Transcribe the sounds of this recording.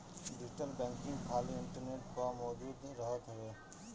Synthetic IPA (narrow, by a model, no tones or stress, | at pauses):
ɖɪsʈəlbɛ̃ːŋkɪ̃ŋɡkʰaːlĩːɪ̃ɳʈəɾneːʈkamɔːd͡ʒuːd̪nĩːɾəɦət̪ɦəʋeː